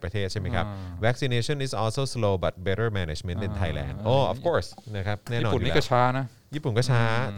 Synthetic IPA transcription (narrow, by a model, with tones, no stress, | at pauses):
pɾa˧t̪ʰeː˥˩t̪̚t͡ɕa˥˩jma˥˩jkʰa˦˥p̚wɛ˦˥k̚si˧neː˧sʰɔ˥˩ni˨sʔɔː˦˧lsoː˧˩sloː˧ba˨˩t̪̚be˦˥ɾə˥˩mɛ˧ne˧˩t͡ɕme˦˥nt̪i˧nt̪ʰa˧jlɛ̰ː˧˩ndʔoː˧˩ʔɔ̰˨˩fkʰoː˥˩sna˦˥kʰɾa˦˥p̚nɛː˥˩˦nɔː˧u˨njnḭː˦˨˦kɔ˥˩aː˦˥na˦˥ | jiː˥˩pu˨˩nkɔː˥˩t͡ɕʰaː˦˥